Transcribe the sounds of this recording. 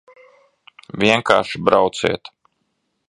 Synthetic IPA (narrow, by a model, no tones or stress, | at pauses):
vʲiɛŋkaːʃibɾawt̪sɛ̰ːt̪